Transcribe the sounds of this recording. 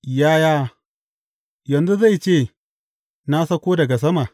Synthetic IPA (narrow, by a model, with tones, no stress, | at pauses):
jaː˦jaː˦ | jɐ˨nzu˦za˦˨jt͡ʃeː˦˨ | na˦sɐ˦kʷoː˦dɐ˨ɡa˨s̬ɐ˦ma˨